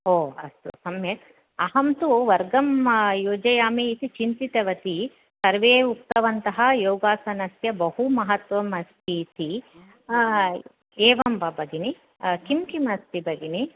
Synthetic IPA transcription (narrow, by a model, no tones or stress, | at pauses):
ɦoːɐ̰st̪usɐmjeːt̪ | ɐɦɐmt̪uʋɐɾɡɐmjoːd͡ʒɐjaːmeit̪it͡ʃint̪it̪ɐʋɐt̪i | sɐɾʋeːuk̚t̪ɐʋɐnt̪ɐɦɐjoːɡaːsɐnɐsjɐbɐɦumɐɦɐt̪ʋɐmɐst̪ʰiːt̪i | eːʋɐmbɐbɐɡini | kimkimɐst̪ibɐɡini